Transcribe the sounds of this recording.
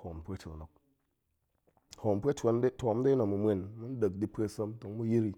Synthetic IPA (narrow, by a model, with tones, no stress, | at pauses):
ho˨mpʷe˦t͡ʃi˨no˨k̚ | ho˨mpʷe˦ta˨˦nde˦tʷo˨˦m˦de˦no˨mu˨mʷe˨nmu˦n˦də˨k̚di˦pʷe˦sə˦mto˨ŋ˦mu˦ji˦ɾi˨